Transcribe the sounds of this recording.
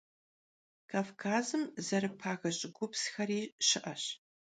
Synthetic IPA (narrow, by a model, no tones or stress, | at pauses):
kʰaːvkʰaːzɨmzɐɾɨpʰaːɣɐɕʼɡʷʊpsxɐriːʃɪʔɐɕ